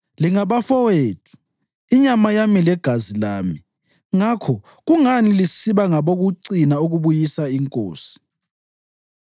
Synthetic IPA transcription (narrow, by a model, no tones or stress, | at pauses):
liŋaβafɔweːtʰu̥ | iɲamajamilɛɡ̥ʱazilaːmi | ŋakʰɔ | ɣuŋanilisiβaŋaβoɣuǀinauɣuβujisaiŋkʼo̰ːsi̥